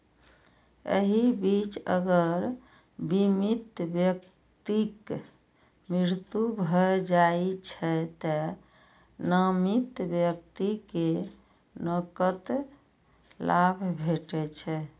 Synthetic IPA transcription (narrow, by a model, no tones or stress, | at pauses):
ḛɦibit͡ʃə̰ɡəɾ | bimit̪bjək | t̪ik | mɾiɾt̪ubʱɔd͡ʒait͡ʃʰɛt̪ə | nəmit̪bjək̚t̪ike | nəkət̪ | lʔabʱbʱeʈɛt͡ʃʰɛ